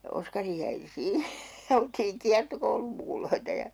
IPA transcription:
jɑ oskɑri jæi siː jɑ oltiːŋ kiɑrtokoulumːukuloitɑ jɑ

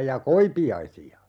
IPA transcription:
jɑ koipiɑisiɑ

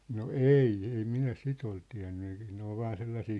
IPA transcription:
no eiˑ ei minæ sit ol tiæ̝nːy e̥i̥ ne ol ʋɑːn selːɑsiː

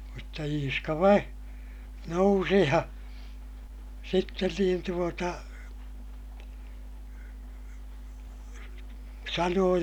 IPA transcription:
mutːɑ iːskɑ ʋɑi nousi jɑ sitːen niːn tuotɑ sɑnoː

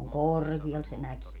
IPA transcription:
oŋ koˑrˑɡ̊iɑl se mæki

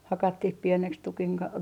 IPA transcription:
hɑkɑtːih pieneks tukiŋ kɑ

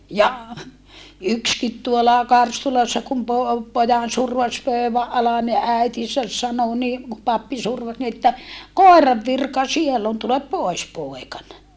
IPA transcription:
jɑ ykskit tuolɑ kɑrstulɑsːɑ kum po pojɑn surʋɑs pøˑyʋæʔ ʔɑlɑn ni æitisæs sɑno ni ku pɑpːi surʋɑs ni etːæ koˑerɑʋ ʋirkɑ sielː on tulep poˑis poˑekɑn

